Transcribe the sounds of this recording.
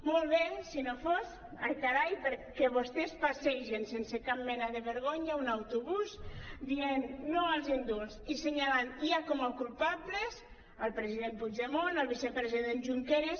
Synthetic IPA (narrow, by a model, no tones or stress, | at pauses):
molˠβensinofoz | ak̪aɾajpəɾkɛβost̪espaseʃensensekap̚mɛnaðeβəɾɣoɲaunawt̪uβuzd̪ienːoəlˠzind̪ulziseɲalaniakomawkulpablez | əlpɾeziðempud͡ʒemonəlβisepɾeziðenʒuŋkeɾes